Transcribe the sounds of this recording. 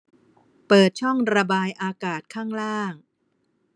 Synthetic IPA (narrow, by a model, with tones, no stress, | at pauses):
pɤː˨˩t̪̚t͡ɕʰɔ˥˩ŋɾa˧baː˧jʔaː˧kaː˨˩t̪̚kʰaː˥˩ŋɾaː˥˩ŋ